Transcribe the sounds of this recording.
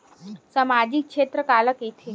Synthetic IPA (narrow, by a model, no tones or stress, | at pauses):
səmad͡ʑikʂet̪ɾəkaləket̪ʰe